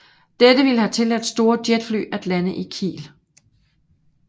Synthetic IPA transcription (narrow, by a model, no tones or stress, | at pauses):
d̥edəʋiləhæt͡sʰe̝læd̥sd̥o̝ːɐd̥jed̥fly̰ːæd̥lænəʔikʰḭːl